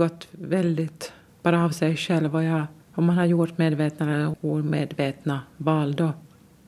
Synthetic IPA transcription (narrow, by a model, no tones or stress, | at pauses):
ɡɔt̪ːvɛld̪ɪt̪ | b̥ɑːɾaɑvsɛjʂɛlvɔjɑ | ɔmːanhaɾjʊʈmeːd̪veːt̪naɛloːɾmeːd̪veːt̪navɑːld̪ɔ